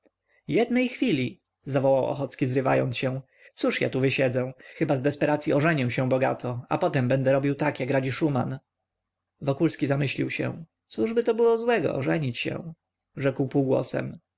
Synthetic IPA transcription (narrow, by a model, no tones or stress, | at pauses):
jɛd̪nɛjxfʲilʲi | zavɔwawʔɔ̰xɔt̪skʲizɾɘva̰jɔ̰nt̪sɕɛw̃ | t̪suʂja̰t̪uvɘɕɛd̪zɛ̃xɘbazd̪ɛspɛɾat̪sʲjiɔʐɛɲɛw̃ɕɛ̃bɔɡat̪ʰɔa̰pɔt̪ɛmbɛnd̪ɛɾɔbʲiwt̪akjakɾad͡ʑiʂuma̰n | vɔkulskʲizamɘɕlʲiwɕɛ̰̃ | t̪suʐbɘt̪ɔbɘwɔzwɛɡɔ̰ʔɔ̰ʐɛɲit͡ɕɕɛ̰̃ | ʐɛkwpuwɡwɔ̰sɛ̰m